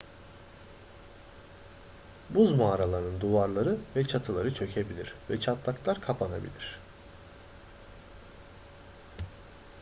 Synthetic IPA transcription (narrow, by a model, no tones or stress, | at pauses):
buzmaːɾalˠaɾnɯnd̪uvaɾlˠaɾɯvɛt͡ʃʰat̪ʰɯlˠaɾɯt͡ʃʰø̞cʰe̞bilʲiɾvɛt͡ʃʰat̪lˠaklˠaɾkʰapʰanabḭlʲiɾ̝̥